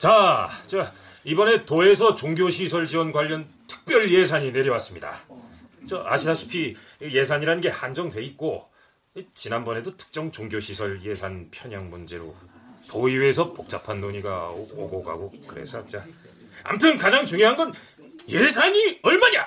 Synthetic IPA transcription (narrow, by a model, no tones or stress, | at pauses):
t͡ɕat͡ɕa | ibʌne̞toe̞s̬ʰʌt͡ɕoŋɡjoɕʰisʰʌɭd͡ʑiwʌnɡwaʎːʌn | tʰɯ̥k̚p͈jʌɭje̞s̬ʰaɲine̞ɾjʌwas͈ɯmɲida̰ | t͡ɕʌʔa̰ɕʰitaɕʰi̥pʰi | je̞sʰaɲiɾanɯnɡehand͡ʑʌŋdwe̞it̚k͈o | it͡ɕinanbʌne̞dotʰɯ̥k̚t͡ɕ͈ʌŋt͡ɕoŋɡjoɕʰisʰʌɭje̞sʰanpʰjʌɲaŋmund͡ʑe̞ɾo̰toiwesʰʌpok̚t͡ɕ͈apʰanːoɲiɡa̰o̰ɡoɡa̰ɡokɯɾḛsʰʌt͡ɕa | a̰mpʰjʌnkad͡ʑaŋt͡ɕuŋjoɦanɡʌn | jesʰaɲiʌɭmaɲa